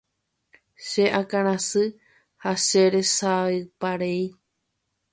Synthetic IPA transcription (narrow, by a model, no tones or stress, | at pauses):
ʃeʔakãɾ̃ãsɨ | haʃe̞ɾe̞saɨpaɾei